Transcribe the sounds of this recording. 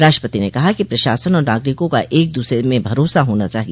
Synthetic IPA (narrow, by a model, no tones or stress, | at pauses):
ɾaːʃʈːəpət̪inekɐɦakipɾɐʃaːsənɔːɾnaːɡɾɪkõkaʔeːk̚d̪uːsɾemẽbʱɐɾoːsaɦoːnat͡ʃaːɦie